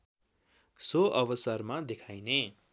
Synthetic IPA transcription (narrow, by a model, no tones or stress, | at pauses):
soʔʌbʌsʌrmad̪ekʰajne